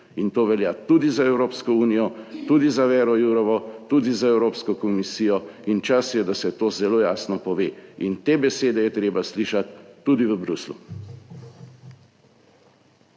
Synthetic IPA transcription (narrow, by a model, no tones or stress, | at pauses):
int̪oːʋɛljaːt̪ud̪izaɛwɾoːpskɔuːnijɔt̪ud̪izaʋɛːɾɔjuɾɔʋɔt̪ud̪izaɛwɾoːpskɔkɔmisiːjɔint͡ʃasjɛd̪asɛt̪oːzɛloːjaːsnɔpɔʋeːint̪eːbɛseːd̪ɛjɛt̪ɾeːbasliːʃat̪ːud̪iʋəbɾuslṵ